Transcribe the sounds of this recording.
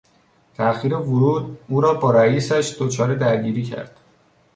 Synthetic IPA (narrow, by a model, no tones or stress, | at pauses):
t̪ʰæxiːɾevoɾuːd̪uːɾɒːbɒːɾæiːsæʃd̪ot͡ʃʰɒːɾe̞d̪æɾɟiːɾiːcʰæ̰ɾd̪̥